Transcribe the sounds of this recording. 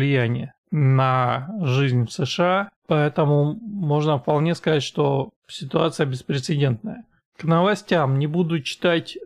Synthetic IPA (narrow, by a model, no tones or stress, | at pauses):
lʲɪjænʲɪjə | nəʐɨzʲnʲfsɨʂɨapɐɛt̪əmʊmo̞ʐnəfpɐlˠnʲe̞skɐzatʲʂt̪o̞ | sʲɪt̪ʊat̪sɨjəbʲɪspɾʲɪt̪sɨdʲe̞nt̪̚nəjə | knəvɐsʲtʲamnʲɪbud̪ʊt͡ɕːɪ̥t̪atʲ